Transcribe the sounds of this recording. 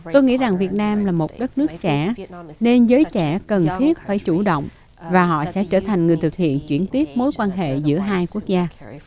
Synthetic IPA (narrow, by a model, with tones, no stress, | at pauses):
t̪o˧jŋḭ˧˥za˨˩ŋvi˨˩ət̚naː˧mlaː˨˩mo˨˩t̚ɗə˦˥t̚nɨ˦˥ək̚t͡ɕɛ˧˩ne˧nzəː˨˦jt͡ɕɛ˧˩kə˨˩nt̪ʰi˦˥ət̚faː˧˩jt͡ɕu˧˩ɗə̰˧˨wŋ͡m | vaː˨˩ɦɔ̰˧˨sɛ̰˧˥t͡ɕəː˧˩t̪ʰa˨˩jŋ̟ŋɨ˨˩əjt̪ʰɨ˨˩k̚hḭ˧˨ənt͡ɕwi˧˩ənt̪i˦˥ət̚mo˨˦jkwaː˧nɦḛ˧˨zɨ̰˧˥əɦaː˧jku˦˥ək̚zaː˧